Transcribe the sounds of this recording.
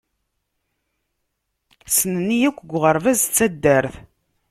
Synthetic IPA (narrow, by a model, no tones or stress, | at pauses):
sənənːijækʷːɡʷʁəɾvæzt͡sːæd̪ːæɾθ